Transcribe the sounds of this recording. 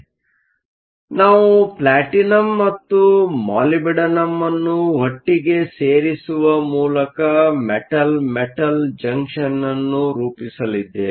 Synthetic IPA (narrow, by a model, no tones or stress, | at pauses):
naːʋuplaːʈinɐmːɐt̪ːumaːlibɛɽɐnɐmːɐnːuɦɐʈːiɡe̞seːɾisuʋɐmuːlɐkɐmeʈɐlmeʈɐld͡ʒɐŋkʂɐnːɐnːuɾuːpisɐlid̪ːe